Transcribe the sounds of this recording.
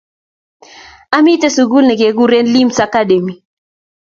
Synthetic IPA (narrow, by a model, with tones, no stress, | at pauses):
a˦mi˦tɛ˦su˨ɡu˦lnɛ˨ɡe˨ɡu˦ɾe˦nli˦msa˦ka˦de˨mi˨